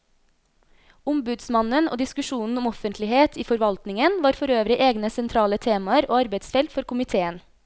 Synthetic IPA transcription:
ʊmbʉd̪smɑnəno̰ːd̪ɪskʉʃuːnn̩ʊmɔfənt̪ʰlɪheːt̪ʰiːfɔɾʋɑlt̪nɪŋənʋɑːɾfɔɾøːʋɾɪʔeːɡnəsɛnt̪ʰɾɑːlət̪ʰeːmɑəɾoːɑɾbeɪt̪sfɛlt̪fɔɾkʊmɪt̪ʰeːən

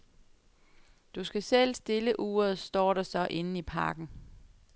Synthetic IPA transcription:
d̥usɡ̥æsel̰sd̥e̝ləʔuːɐð̞̩ˠsd̥ɒ̰ːɾ̥ɑsɒ̽ʔe̝n̩ipʰɑ̈ːɡ̥n̩

